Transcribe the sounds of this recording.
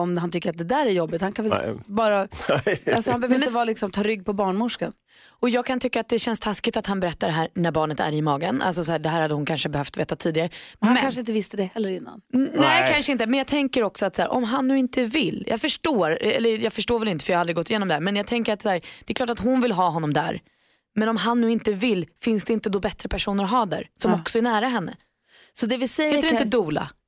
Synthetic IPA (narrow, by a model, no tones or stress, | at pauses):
ɔmhant̪ʏkːəɾat̪̚d̪ɛd̪æːɾæɾjɔbːɪt̪hankʰanvɛlbɑːɾa | alsɔhanbɛœvɾɪəvɑːlɪksɔmt̪ʰɑːɾʏɡːpʰɔbɑːɳmʊʂkan | ɔjɑːɡ̚kʰant̪ʰʏkːaːt̪̚d̪ɛɕɛnst̪ʰaskɪt̪at̪hanbɛɾɛt̪ːaɖɛɦæːɾnæɾbɑːɳət̪æ̰ɾɪmɑːɡənʔa̰ls̬ɔsɔæːɖɛɦæːɾhad̪ːəhʊnkʰanʂəbɛhœft̪veːt̪at̪ʰiːd̪ɪɡaɾəaamɛkʰanʂəɪnt̪əvɪst̪əd̪ɛhɛlːəɾɪnːa̰nnɛkʰanʂəɪnt̪əmɛnjɑːɡ̚t̪ʰɛŋkəɾɔksɔat̪sæːɾʔɔ̰mɦanːʉ̟ːɪnt̪əvɪlːjʔɑ̰ːɡfœʂʈoːɾɛ̰lːəjɑːɡfœʂʈoːvɛlɪnt̪əfœjɑːalɾɪɡɔt̪ːɪjeːnɔmd̪ɛhæɾmɛnjɑɡt̪ʰɛŋkəɾat̪sæːɾd̪̥ɛklɑːʈat̪hɦʊnvɪlɦɑːɦɔnːɔmd̪æ̰ɾ | mɛnɔmɦanːʉ̟ːɪnt̪əvɪlːfɪnsd̪ɛɪnt̪əd̪ɔbɛt̪ɾəpʰæʂuːnəɾɔɦɑːd̪æ̰ːɾsɔmɔksɔæɳæːɾaɦɛnːə̰ | sɔd̪ɛvɪsɛɾɪt̪əd̪uːla̰